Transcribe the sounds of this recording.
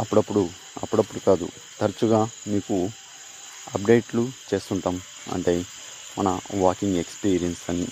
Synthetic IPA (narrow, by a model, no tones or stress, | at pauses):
ɐpːuɽɐpːuɽu | ɐ̰pːuɽɐpːuɽukaːd̪ṵ | t̪ʰɐɾt͡ʃuɡaːmiːku | ɐp̚ɖe̞ːjʈlut͡ʃe̞ːst̪uɳʈaːm | ɐ̰ɳʈe̞ː | mɐnɐʋaːkiŋɡe̞kspiːɾijɐnsɐni